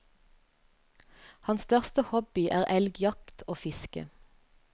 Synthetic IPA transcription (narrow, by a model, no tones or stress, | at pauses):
hɑnst̪œʁst̪əhɔbɪʔæːʁɛlɡjɑkt̪ʰoːfɪskə̰